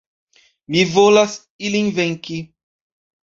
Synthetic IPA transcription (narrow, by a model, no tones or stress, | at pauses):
mivolas | ilĩŋvẽŋki